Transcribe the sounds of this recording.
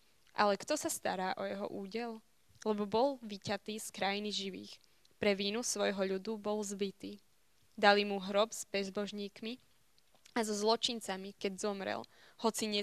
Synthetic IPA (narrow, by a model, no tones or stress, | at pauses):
ʔa̰lɛkt̪ɔsast̪aɾaːʔɔjɛɦɔ̰ʔuːɟɛl | lɛbɔbɔlʋicat̪iːskɾajiniʒiʋḭːx | pɾɛʋiːnusʋɔjɦɔʎud̪ubɔlzbit̪iː | d̪alimuɦɾɔbz̥bɛzbɔʒɲiːkmi | azɔzlɔt͡ʃint͡samikɛɟzɔmɾɛ̰l | hɔt͡siɲɛ